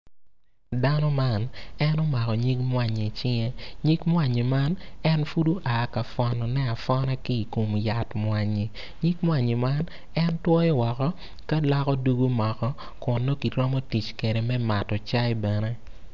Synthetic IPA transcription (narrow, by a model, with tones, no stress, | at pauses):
da˦nɔ˦ma˦nɛ˦nɔ˦ma˨kɔ˨ɲi˦kmwa˨ɲe˨t͡ʃɪ˦ŋɛ˦ɲi˦kmwa˨ɲi˨ma˦nɛ˦nfu˦du˦ʔaː˨ka˨fɔ˨nɔ˨nɛ˦a˨fɔ˦na˦kɪ˦i˨ko˨mja˨tmwa˨ɲi˨ | ɲi˦kmwa˨ɲi˨ma˦n | ɛ˦ntwɔ˦jɔ˦wɔ˨kɔ˦ | ka˦lɔ˦kɔ˦du˦ɡu˦mɔ˨kɔ˦ | kʊ˨nːo˦ki˨tɾɔ˦mɔ˦ti˨t͡ʃke˨ɾe˨mɛ˦ma˨tɔ˨t͡ʃa˦jbɛ˨nɛ˦